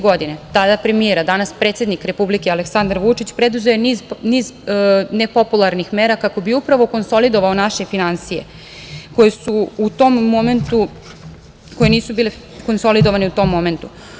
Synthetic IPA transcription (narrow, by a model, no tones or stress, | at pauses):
ɡo̞d̪inet̪ad̪apɾe̞mijeɾad̪anaspɾe̞t̪sje̞d̪nikɾe̞publikealeksand̪aɾʋut͡ʂit͡ɕpɾe̞d̪uzejenizniːznepo̞pulˠaɾnixme̞ːɾakako̞biupɾaʋo̞ko̞nso̞lid̪o̞ʋaonaʃe̞finansije̞̰ | ko̞jesuːt̪o̞mːo̞me̞nt̪u | ko̞je̞niːsubiːle | ko̞nso̞lid̪oʋaneut̪o̞mːo̞me̞nt̪u